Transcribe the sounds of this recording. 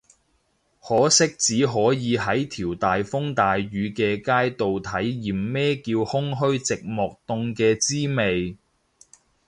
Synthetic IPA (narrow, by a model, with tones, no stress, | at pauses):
hɔː˨˥sɪ˥k̚t͡siː˨˥ɦɔː˨˥jiː˨˧ɦɐ˨˥jt̪ʰiː˨˩wt̪aː˨jfʊ˥ŋt̪aː˨jɥyː˨˥kɛː˧kaː˥jt̪o˨wt̪ʰɐ˨˥jjiː˨˩mmɛː˥kiː˧whʊ˥ŋɦɵ˥ɥt͡sɪ˨k̚mɔː˨k̚t̪ʊ˧ŋkɛː˧t͡siː˥me˨j